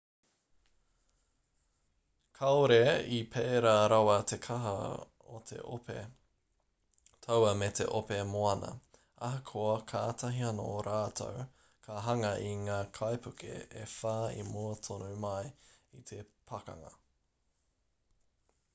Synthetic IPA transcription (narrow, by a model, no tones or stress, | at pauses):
kʰɐoɾeipʰeːɾaɾɐwɐt̪ʰekʰɐɦɐ̰ | ot̪ʰḛʔo̰pḛ | t̪ʰowɐmet̪ʰḛʔopemoɐnɐ̰ | ɐɦɐkʰoɐkʰaːt̪ʰɐɦiɐno̰oɾaːt̪ʰo̰w | kʰɐɦɐŋɐʔiŋaːkʰajpʰʉkʰḛḛfaːḭmuɐt̪ʰonumɐjit̪ʰepʰɐkɐ̰ŋɐ̰